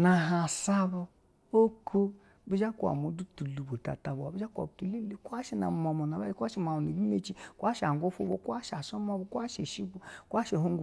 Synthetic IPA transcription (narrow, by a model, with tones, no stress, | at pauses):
na˨ɦa˨sa˦bo˨ | o˦kʰo˦ | bi˦d͡ʒa˦ku˦˨a̰˨mu˨˦du˦tu˨lu˨bo˨ta̰˨ta˨bo˨a˨bi˦d͡ʒa˦ka̰˨btu˨li˦li˨ku˦a˦ʃi˦na̰˨m˨mo˨mo˨na˨ba˦d͡ʒi˦ka˦ʃi˦ma˨u˨ne˨bi˦me˦t͡ʃi˦kʷa˦ʃa˨ŋ˨ɡo˦fo˦bo̰˨kʷa˦ʃa˨sɔ˦mɔ˦bo˨˦ku˦a˦ʃe˨ʃi˦bo˨˦ku˦a˦ʃe˨ɦo˦ŋ˦ɡu˨